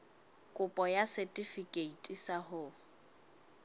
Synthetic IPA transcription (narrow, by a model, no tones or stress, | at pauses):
kʼʊpʼɔjasɛetʼifikʼeitʼisahʊ